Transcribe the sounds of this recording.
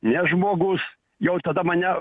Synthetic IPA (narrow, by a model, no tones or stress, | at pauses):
nʲɛʒmoːɡʊs | jɛʊt̪ɐd̪ɐmɐnʲɛ